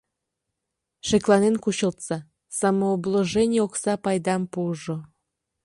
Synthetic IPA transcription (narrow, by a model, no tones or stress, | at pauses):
ʃeklɑnenkuɕəlt̪sɑ | sɑmoobloʒenʲijoksɑpɑjd̪ɑmpuʒo